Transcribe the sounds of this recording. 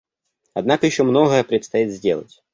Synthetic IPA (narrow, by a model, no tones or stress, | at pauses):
ɐd̪nakəjɪɕːomno̞ɣəjəpɾʲɪt̪st̪ɐjit̪zʲdʲe̞lˠə̰tʲ